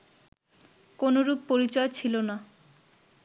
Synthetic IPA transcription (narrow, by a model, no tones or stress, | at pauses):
konoɾupːoɾit͡ɕɔet͡ɕʰilona